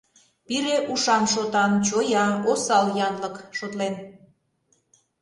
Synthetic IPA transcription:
piɾeʔuʃɑmʃot̪ɑnt͡ɕojɑosɑljɑnləkʃot̪len

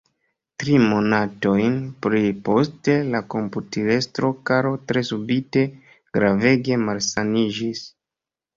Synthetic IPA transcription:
tɾimo̞nato̞jnpɾipo̞ste̞lako̞mputiɾe̞stɾo̞kaɾo̞tɾe̞subite̞ | ɡ̥ɾave̞ɡe̞malsanid͡ʒis

